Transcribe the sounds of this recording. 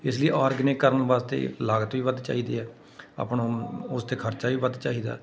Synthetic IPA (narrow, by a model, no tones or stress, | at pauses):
ɪsləiːʔaːɾɡneːkːəɾənʋaːst̪ḛːlaːɡət̪ʋiːʋəd̪t͡ʃa̰ːiːd̪eːɛː | a̰ːpnõːʊst̪eːkʰəɾt͡ʃaːʋiːbəd̪t͡ʃaːiːd̪a̰ː